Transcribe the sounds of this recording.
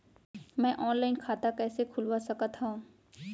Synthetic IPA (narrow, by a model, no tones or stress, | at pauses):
mɛ̃ʔɔːnlaːɪnkʰaːt̪akɛːsekʰʊlwasɐkat̪ɦãː